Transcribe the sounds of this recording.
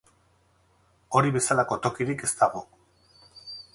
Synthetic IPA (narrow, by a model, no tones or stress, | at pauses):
o̞ɾiβe̞salako̞t̪o̞kiɾike̞st̪aɣ̞o̞